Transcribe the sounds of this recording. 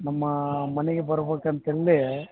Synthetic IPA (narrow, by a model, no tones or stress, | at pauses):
nɐmːɐmɐnɛɡebɐɾɐbeːkɐnt̪elːe